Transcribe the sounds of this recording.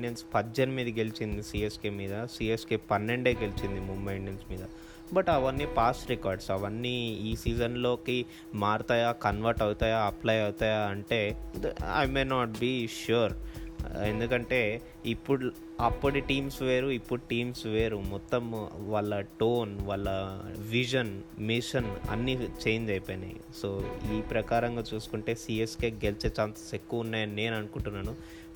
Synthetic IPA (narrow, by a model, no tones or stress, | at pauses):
enspɐd͡ʒːɐnɐmiːd̪ɐɡe̞lit͡ʃind̪isiːeskeːmiːd̪ɐsiːeskeːpɐnːe̞ɳɖeːɡelit͡ʃind̪imumbɐjɳensmiːd̪ɐ | bɐʈɐʋɐnːiːpaːsʈɾekaːɾɖsɐʋɐnːiːiːsiːd͡ʒɐnlo̞ːki | maːɾut̪aːjaːkɐnʋaɾʈɐwut̪aːjaːɐplɐjɐwut̪aːjaːɐɳʈe̞ːɐ̰jmeːnaːʈ̚biːʃuːɾ | end̪ukɐɳʈe̞ː | ipːuɽu | ɐpːɐʈiʈiːmsʋeːɾuipːuɽuʈiːmsʋeːɾumɔt̪ːɐmʋaːɭːɐʈoːnʋaːɭːɐʋiʃ̬ɐnmiʃɐnɐ̰nːit͡ʃeːjind̪ɐjpeːnɐ̰ | soːiːpɾɐkaːɾɐŋɡaːt͡ʃuːsu̥kuɳʈe̞ːsiːeskeːɡelit͡ʃeːt͡ʃaːnt̪ɐ̥sekːuʋɐunːaːjɐnine̞ːnɐnukuɳʈunːaːnu